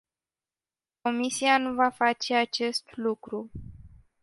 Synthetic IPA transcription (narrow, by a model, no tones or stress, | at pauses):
ko̞misianuvafat͡ʃe̞at͡ʃe̞st̪lukɾu